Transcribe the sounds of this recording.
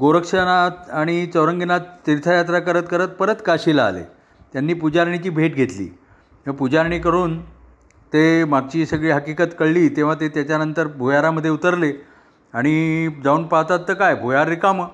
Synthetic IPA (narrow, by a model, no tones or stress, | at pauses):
ɡoɾəkʂənat̪aɽ̃it͡səwɾəŋɡinat̪̚t̪iɾt̪ʰajat̪ɾakəɾət̪kəɾət̪̚pəɾət̪kaɕila̰ːlḛ | t̪janːiːpud͡ʑaɾɳ̃it͡ɕiːbʱeʈɡʱet̪lḭː | t̪eapud͡ʑaɾɳ̃ikəɾuːn | t̪emaɡ̚t͡ɕiːsəɡɭiːɦəkikət̪kəɭliːt̪eʋ̤at̪et̪jat͡ɕjanənt̪əɾbʱujaɾaməd̪ʱːjeut̪əɾle | aɽ̃id͡zauːnpaɦt̪at̪ːəkajbʱojaɾːikamə